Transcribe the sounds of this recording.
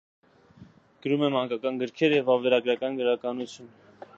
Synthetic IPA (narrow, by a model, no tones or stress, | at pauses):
ɡ̥əɾumɛmhɑŋkɑkɑnɡəɾkʰɛɾjɛvɑvɛɾɑɡɾɑkɑnɡəɾɑkɑnut͡sʰjun